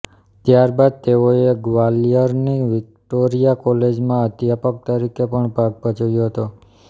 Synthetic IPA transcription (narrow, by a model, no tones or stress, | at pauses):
t̪jaɾbad̪̚t̪eoeɡʋalijəɾniʋɪk̚ʈoɾijakɔled͡ʒmãət̪japək̚t̪əɾikepəɳbʱaɡ̚bʱət͡ʃajoɦət̪o